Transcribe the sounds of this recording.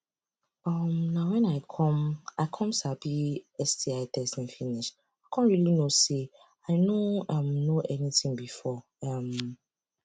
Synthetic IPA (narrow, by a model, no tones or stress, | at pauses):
ɔmnãwɛ̃naɪkʰɔ̃maɪkʰɔ̃msabiɛstʰiaɪtʰɛstĩnfĩniʃ | akʰɔ̃nɹilinose | aɪnoãmnoʔɛnitʰĩŋbifɔ | ãm